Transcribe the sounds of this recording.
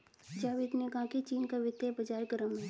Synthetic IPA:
d͡ʒaːʋɪt̪neɡãːkit͡ʃiːnkaʋɪt̪ebɐd͡ʒaːɾɡəɾəmɦɛ̃ː

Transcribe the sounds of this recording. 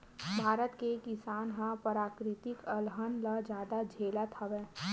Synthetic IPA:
bʱaːɾət̪kekɪsaːnɦãpəɾaːkɾɪt̪ɪkəlɦənlad͡ʒjaːd̪ad͡ʒʱeːlat̪ʰaʋɛ̃ː

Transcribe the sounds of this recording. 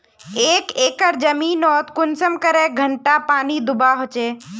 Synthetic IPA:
eːkeːkəɾd͡ʒəmiːnɔːt̪kʊnsəmkəɾeːɡʱəɳʈapaːniːd̪ʊbaːɦot͡ʃeː

